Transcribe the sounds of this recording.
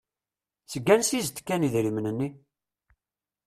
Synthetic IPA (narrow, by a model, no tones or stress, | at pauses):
səɡːænsizt̪kːæniðɾimnənːi